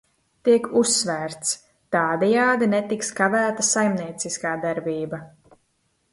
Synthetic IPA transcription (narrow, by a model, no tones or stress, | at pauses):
t̪iɛkusːvæːɾt̪s | t̪aːd̪ɛjaːd̪inɛt̪ikskavæːt̪asajmniɛt̪siskaːd̪aɾbiːba